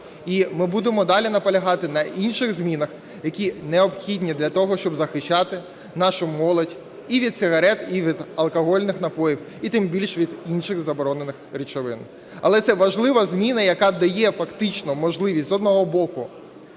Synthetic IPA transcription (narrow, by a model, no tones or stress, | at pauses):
imɪbud̪emɔd̪ɑlʲinɐpɔlʲɐɦɑt̪ɪnɐʔinʃɪɣzʲmʲinɐx | jɐkʲinɛɔpxʲidʲnʲid̪lʲɐt̪ɔɦɔʃt͡ʃɔbzɐxɪʃːɑt̪ɪ | nɑʃʊmɔlˠɔdʲ | iʋʲid̪sɪɦɐɾɛt̪iʋʲid̪ɐlˠkɔɦɔlʲnɪxnɐpɔjiw | it̪ɪmbʲilʲʃʋʲid̪inʃɪɣzɐbɔɾɔnenɪxɾʲit͡ʃɔʋɪn | ɐ̰lˠɛt̪sɛʋɐʒlˠɪʋɐzʲmʲinɐjɐkɑd̪ɐjɛfɐkt̪ɪt͡ʃnɔmɔʒlˠɪʋʲisʲtʲzɔd̪nɔɦɔbɔkʊ